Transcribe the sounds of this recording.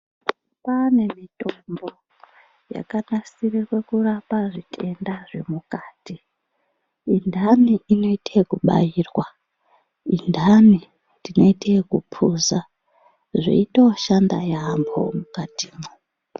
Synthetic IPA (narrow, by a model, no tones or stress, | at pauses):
pane̞mitombo̞ | ja̰kanasirirwe̞kurapaʐitʰe̞ndaʐe̞mukaːti | indʱaniino̞itʰekuɓa̰jirwa | indʱani | tino̞itʰekupʰuza | ʐḭito̞ʃandajaːmbo̞̰mukatʰiːmu